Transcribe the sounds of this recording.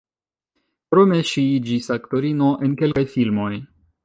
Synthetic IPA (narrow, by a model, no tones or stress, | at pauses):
pɾo̞me̞ʃiid͡ʒisakto̞ɾino̞ʔenke̞lkajfilmo̞j